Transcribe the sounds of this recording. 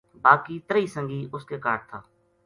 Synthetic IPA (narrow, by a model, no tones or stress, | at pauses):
baːkiːt̪əɾiːsəŋɡiːʔʊskeːkaːʈ̚t̪ʰaː